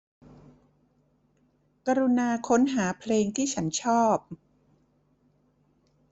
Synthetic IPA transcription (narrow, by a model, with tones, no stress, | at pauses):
ka˧ɾu˧naː˧kʰo˦˥nɦaː˩˦pʰleː˧ŋt̪ʰiː˥˩t͡ɕʰa˦˥nt͡ɕʰɔː˥˩p̚